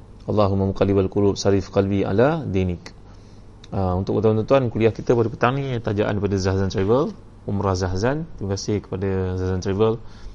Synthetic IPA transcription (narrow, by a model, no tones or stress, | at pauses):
ʔɑlːɑɦumːamuqalibalkulub̚saɾifkalbia̰ladenɪk | əunt̪ʊkunt̪awnt̪unt̪uankuliahkit̪əpadəpət̪aŋnit̪ad͡ʒaʔa̰ndipadazaɦzant̪ɾavəl | umɾazaɦzant̪iməkasɪhkə̥padazaɦzant̪ɾivəl